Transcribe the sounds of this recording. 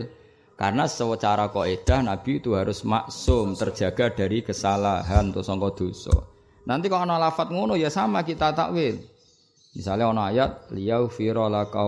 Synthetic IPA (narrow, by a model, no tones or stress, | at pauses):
ka̰rnasəwət͡ʃaɾakɔed̪̥a̤hnab̥i̤ːt̪uɦaɾʊsma̰ʔsʊmt̪ərd̥ʒ̥ä̤ɡ̥a̤d̥a̤ɾikəsalaɦant̪usɔŋkɔd̪̥o̤sɔ̰ | nant̪ikɔnɔlafat̪̚ŋonʊjasamakit̪at̪a̰ʔwɪl | misalaɔnɔajat̪̚lijawfiɾɔlaka